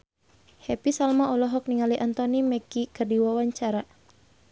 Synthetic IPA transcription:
hɛpisalmaɔlɔɦɔk̚niŋaliʔant̪ɔnimɛkikərdiwawaɲt͡ʃaɾa

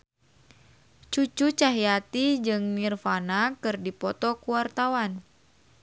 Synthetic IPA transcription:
t͡ʃut͡ʃut͡ʃaɦijat̪id͡ʒɨŋnirfanakɨrdipɔt̪ɔkuwart̪awan

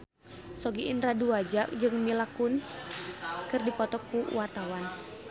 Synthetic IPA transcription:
sɔɡiʔinraduad͡ʒaʔ̚d͡ʒɨŋmilakuns | kɨrdipɔt̪ɔkːuwart̪awan

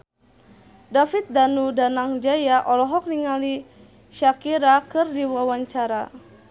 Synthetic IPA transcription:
dafit̪̚danudanaŋd͡ʒajaʔɔlɔɦɔk̚niŋali | ʃakiɾakɨrdiwawaɲt͡ʃaɾa

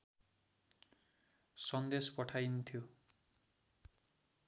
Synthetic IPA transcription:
sʌnd̪espʌʈʰajnt̪ʰjo

